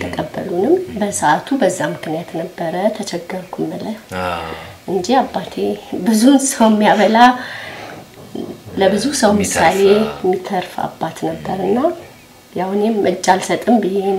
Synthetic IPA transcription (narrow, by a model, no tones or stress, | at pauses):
t̪ʰəkʼəbːə̰lunɨmbəsəʔat̪ʰubəzːamɨknijat̪nəbːəɾət̪ʰət͡ʃʰɛɡːəɾkʰumːɨlə | ʔɨɲd͡ʒiabːat̪ʰebɨzunsəwjɛmːijaβəla | ləbɨzusəwmɨsale̞jɛmːit̪ʰːəɾfa̰bːat̪nəbːəɾɨnːa | jahne̞mʔɨt͡ʃʼːalsət̪ʼɨmbɨhe